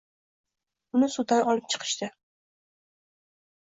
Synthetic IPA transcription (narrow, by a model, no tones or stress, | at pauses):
ʊnɪsud̪anɒlɪp̚t͡ʃʰɨ̥qʰɨ̥ʃt̪ɪ